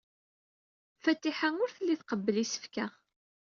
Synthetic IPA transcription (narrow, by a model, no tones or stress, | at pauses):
fæt̪ːiħaŋʊɾθəlːiθqəbːəlisə̥fkaʁ